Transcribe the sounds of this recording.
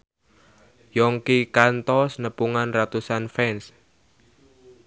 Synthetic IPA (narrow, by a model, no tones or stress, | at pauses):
jɔŋkikant̪ɔsnəpuŋanrat̪usanfɛns